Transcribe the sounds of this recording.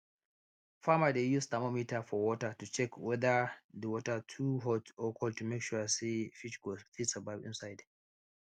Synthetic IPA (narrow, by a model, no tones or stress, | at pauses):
famadejustamɔmitafɔwɔtatut͡ʃɛkwɛdadəwɔtatʰuɦɔtɔkʰɔltumɛkʃuasefit͡ʃɡɔfit͡ʃsababɪ̰̃nsajd